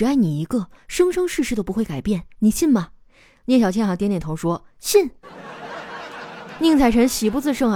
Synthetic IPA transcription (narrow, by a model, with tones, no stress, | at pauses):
ɻ̩˧˥a˥˩ɪni˨˩i˧˥ɡə˧ʂɤ˥ŋʂɤ˥ŋʂɻ̩˥˩˧ʂɻ̩˥˧˩p̬u˧˥xwe˥˩ɪka˨˩ɪpjɛ˥˩nni˨˩ɕi˥˩nmɐ˩ | njɛ˥˩nɕjɑ˨˩t͡ɕʰɛ˥nxɑ˧˥ŋt̪jnjɛ˨˩nt̪ʰŋʂwɔ˥ | ɕi˥˩n | ni˥˩˧ŋt͡sʰa˥˩ɪʈ͡ʂʰə˧˥nɕi˨˩p̬u˥˧t͡sɹ̩˥˧ʂɤ˥˩ŋ